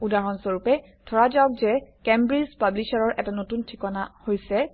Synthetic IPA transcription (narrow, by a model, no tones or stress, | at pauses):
udaɦɔnsoɹupɛ | tʰɔɹad͡ʒaɔk̚zɛkɛmbɹizpablisaɹɔɹʔɛtanotuntʰikɔnahojsɛ